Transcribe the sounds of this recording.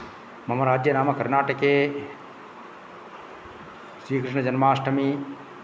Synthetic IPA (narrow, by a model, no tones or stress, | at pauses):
mɐmɐɾaːd͡ʒjɐnaːmɐkɐɾnaːʈəke | sɾiːkɾɪʃɳɐd͡ʒɐnmaːsʈɐmi